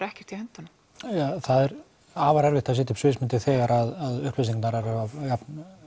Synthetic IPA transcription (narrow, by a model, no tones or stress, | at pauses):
ɾɛhcɛr̥t̪ihɛnt̪anʏm | aθaðɛɾ | aːvaɾɛɾvɪht̪aðsɛːt̪ʏpsvɪːsmɪnt̪ɪθɛːɣaɾaðaðʏhplɪsiŋknaɾɛɾɛvavjapn